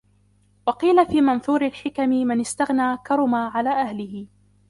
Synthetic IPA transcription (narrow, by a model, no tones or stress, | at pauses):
wɑqiːlafiːmanθuːɾɪlħɪkamɪmɪnɪst̪aɣnaːkɑɾˤʊmaːʕalaːʔahlɪhɪ